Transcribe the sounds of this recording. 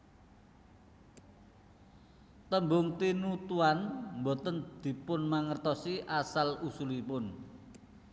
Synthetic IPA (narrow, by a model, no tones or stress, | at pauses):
t̪əmbʊŋt̪inut̪uanmbot̪ənd̪̥i̤pʊnmaŋərt̪ɔsiʔasalusulipʊn